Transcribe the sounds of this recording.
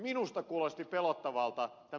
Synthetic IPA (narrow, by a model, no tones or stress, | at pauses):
minust̪ɑkuolest̪ipelot̪ːɑʋɑlt̪ɑt̪æ